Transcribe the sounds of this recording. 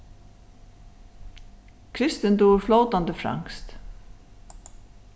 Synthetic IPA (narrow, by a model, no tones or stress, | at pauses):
kʰɾɪst̪ɪnd̪uːʏɾflowt̪and̪əfɾa̰ŋst̪